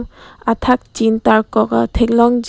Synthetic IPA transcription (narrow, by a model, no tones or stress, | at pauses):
matʰak̚t͡ʃintaɹkɔkatʰek̚lɔŋd͡ʒ